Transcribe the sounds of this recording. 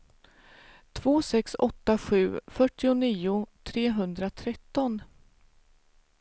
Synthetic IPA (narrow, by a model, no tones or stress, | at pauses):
t̪ʰv̥oːsɛksɔ̰t̪ːaɧʉ̟ːfœʈːɪʊniːʊt̪ʰɾeːɦɵnd̪ɾat̪ʰɾɛt̪ːɔn